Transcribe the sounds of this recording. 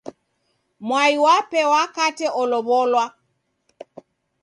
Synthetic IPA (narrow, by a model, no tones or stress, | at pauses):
mwaiwapɛwakatɛʔɔlɔβɔlwa